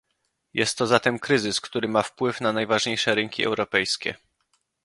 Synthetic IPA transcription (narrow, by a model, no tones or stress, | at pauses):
jɛst̪ːɔzat̪ɛmkɾɘzɘskt̪uɾɘmafpwɘfnanajvaʐɲejʂɛɾɘŋkʲiʔɛ̰wɾɔpɛjskʲɛ̰